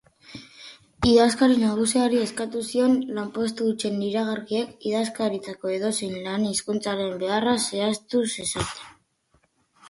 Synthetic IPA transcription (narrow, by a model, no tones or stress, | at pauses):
iðaskaɾinaɣ̞us̬iaɾie̞skat̪usio̞nlampwe̞st̪uut͡ʃe̞nːiɾaɣaɾkiekiðaskaɾit͡s̪ako̞e̞ðo̞sijnlaniskunt͡saɾe̞mbe̞arase̞ast̪use̞sat̪e̞̥n